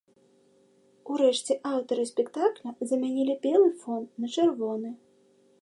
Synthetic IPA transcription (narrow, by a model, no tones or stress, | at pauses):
uɾɛʂt͡sʲɛʔawt̪ɐɾɨsʲpʲɛkt̪aklʲɐzɐmʲanʲilʲibʲɛlˠɨfɔnnɐt͡ʂɛrvɔnɨ